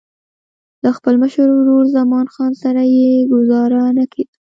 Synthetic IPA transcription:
d̪əxpəlməʃəɾwɾoɽzamɑnxɑnsaɾajeɡʊzɑɾanakʰed̪

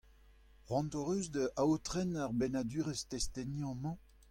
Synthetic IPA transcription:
ʁwɑ̃ntoʁøzd̪əʔawt̪ʁɛnaʁbenad̪yːʁest̪ɛst̪ɛnjɑ̃mɑ̃

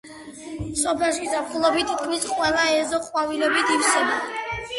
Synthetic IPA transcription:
sɔpʰɛɾʃisapχulˠɔbit̪ʰːi̥t̪̚kʰmisqʼwɛlˠaɛzɔχʼwavilɛbit̪ʰifsɛba

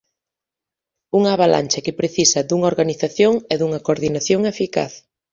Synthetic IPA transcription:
uŋaːβalʔa̰nʲt͡ʃɐkɪpɾeθisɐd̪uŋɐoɾɣaniθaθjoŋɛðuŋɐkoɾðinaθjoŋefika̰θ

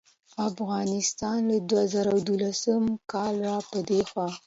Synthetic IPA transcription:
afɣɑnɪst̪ɑnlad̪wazaɾawd̪ulasəmkɑlwapəd̪exwɑ

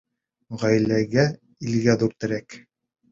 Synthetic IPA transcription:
ʁæjlæɡæ | ilɡæðuɾt̪ɘ̆ɾæk

